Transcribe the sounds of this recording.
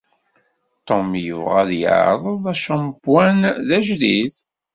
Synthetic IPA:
t̪omjəvʁaðjə̰ʕ̰ɾˤəðˤæʃæmbwænðæʒðiθ

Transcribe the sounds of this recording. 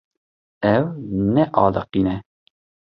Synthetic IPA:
ɛwnɛʔɑːləqinɛ

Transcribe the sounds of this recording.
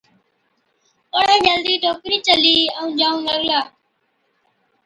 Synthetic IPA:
pəɽãːd͡ʒəld̪iːʈoːkɾiːt͡ʃəliːəũːd͡ʒaːũːləɠlaː

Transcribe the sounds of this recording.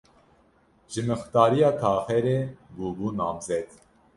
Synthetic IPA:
ʒɨmɨxt̪ɑːɾijɑːt̪ʰɑːxɛɾeːbuːbuːnɑːmzɛd̪

